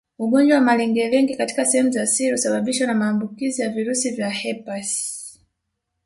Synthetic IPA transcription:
uɡɔnd͡ʒwawamalɛŋɡɛwɛŋɡikati̥kasɛhɛmuzasiɾiusaɓaɓiʃwanamaːmbukizijaviɾusivjahɛpas

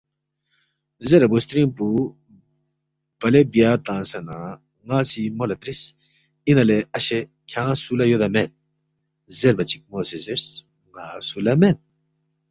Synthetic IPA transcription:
zeɾɐbost̪ɾĩmpu | b̥ɐlebijaːt̪ãːnsɐna | ŋaːsimolɐt̪ɾis | inɐleɐɕe | kʰãːsulɐjod̪ɐmen̚ | zeɾmɐt͡ɕik̚moːsezeɾs | ŋaːsulɐmen

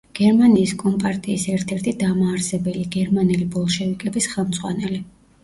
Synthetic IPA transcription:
ɡ̥ɛɾmaniːskʼɔmpʼaɾt̪ʼiːsɛɾt̪ʰɛɾt̪ʰid̪amaːɾsɛbɛliɡɛɾmanɛlibɔlˠʃɛvikʼɛbisχɛlˠmd̪zʼʁwa̰nɛli

